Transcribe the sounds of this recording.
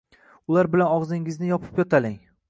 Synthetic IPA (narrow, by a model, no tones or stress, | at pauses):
ʊlaɾbɪlanɒʁzɪŋɪznɪjɒpʰɪ̥pjɒt̪ʰalɪŋ